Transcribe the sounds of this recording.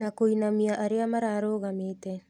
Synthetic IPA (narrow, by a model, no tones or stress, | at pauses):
nakojnamiaʔaɾeamaɾaɾoɣamete